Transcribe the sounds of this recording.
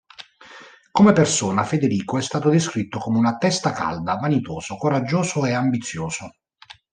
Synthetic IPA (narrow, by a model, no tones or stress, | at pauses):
komepersoːnafed̪eɾiːkoɛst̪aːt̪od̪eskɾit̪ːokomeunat̪ːɛst̪aka̰ld̪avanit̪oːsokoɾad͡ʒːoːzoeambit̪sːjoːso